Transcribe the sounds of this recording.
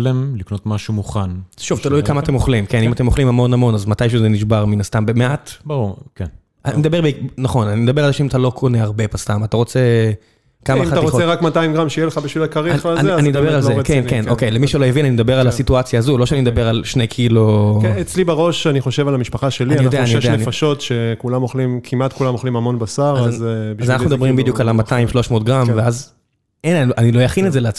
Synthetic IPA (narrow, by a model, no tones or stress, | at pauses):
lemliknot̪maʃumuχanʃuvt̪alujkamaːt̪emoχlimke̞nimate̞moχlimhamo̞namo̞nazmatajʃ̬ezeniʃ̬baʁminast̪ambemeʔatbaʁuʁken | amed̪abeʁbenaχo̞nanimed̪abealzeʃeimat̪alo̞kʰo̞ne̞aʁbe̞past̪amataʁo̞t͡se | kamaimaaʁoeʁakmataimɡʁamʃejeleχabiʃvilakaʁiaazanimd̪abeʁalzeknkenokejlemiʃelojevinanimed̪abeʁalasituat͡sjaːzulo̞ʃeɛanimed̪abeʁalʃnejkʰiluet͡slibaʁo̞ʃaniχoʃevalamiʃpaχaʃe̞linanijod̪eanijʃanːneifaʃo̞tʃekulamoχlimkʰimat̪kulamoχlimamo̞nbasaʁazizanaχnumd̪bʁimbid̪jukalamat̪aimʃlo̞ʃmoːtɡʁamveaz | ennanilojaχinedzeleat͡s